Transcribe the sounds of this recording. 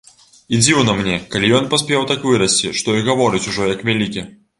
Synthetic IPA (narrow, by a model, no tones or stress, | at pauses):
id͡zʲiwnɐmnʲɛkalʲijɔnpasʲpʲɛwt̪akvɨɾɐsʲt͡sʲiʂt̪ɔiɣavɔɾɨt͡sʲuʐɔjɐkvʲalʲikʲi